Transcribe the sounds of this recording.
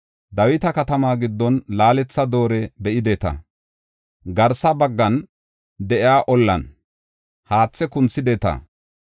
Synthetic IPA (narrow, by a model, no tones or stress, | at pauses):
d̪ɐwɪt̪ɐkɐt̪ɐmaːɡɪd̪ːɔnlaːlɛt͡sːɐd̪o̞ːɾɛbɛʔɪd̪ɛt̪ɐ̰ | ɡɐɾsɐbɐɡːɐn | d̪ɛʔɪjaːʔɔlːɐ̰n | haːt͡sːɛkʊnt͡sːɪd̪ɛt̪ɐ̰